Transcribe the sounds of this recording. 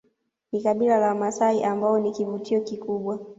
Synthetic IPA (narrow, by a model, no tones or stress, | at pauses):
nikaɓilalamasaiʔambaɔnikivutiɔkikuɓwa